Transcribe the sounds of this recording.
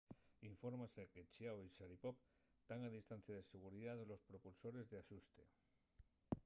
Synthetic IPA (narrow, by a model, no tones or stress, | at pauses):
iɱfo̞ɾmaseke̞t͡ʃiawiʃaɾipop | t̪aŋaðist̪an̟θjaðe̞se̞ɣ̞uɾiðaðlo̞spɾopulso̞ɾe̞zðeaʃust̪e̞